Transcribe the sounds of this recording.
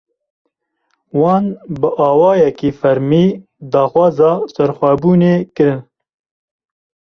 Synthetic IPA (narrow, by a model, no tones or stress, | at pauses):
wɑːnbɨʔɑːwɑːjɛkiːfɛɾmiː | d̪ɑːxwɑːzɑːsɛɾxʷæbuːneːkɨɾɨn